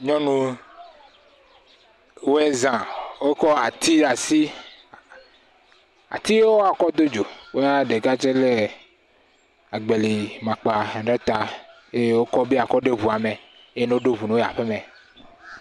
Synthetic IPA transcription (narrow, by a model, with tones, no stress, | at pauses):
ɲɔ̃˦nũ˦ | wo˦ɛ˦zã˨wo˦kɔ˦a˨t̪i˦ɖa˨si˦ | a̰˨t̪i˦jwo˦a˨kɔ˦d̪o˦d͡ʒo˨wo˦ja˦ɖe˨ɡa˦d͡ʒe˦le˦ | a˨ɡ͡be˨li˨mã˨k͡pa˨ɖe˦t̪a˨ | e˦je˦wo˦kɔ˦be˦a˨kɔ˦ɖe˦βu˨a˨me˨˦ | je˦no˦o˦ɖo˦βu˨no˦˨a̰˨ɸe˦mɛ̃˨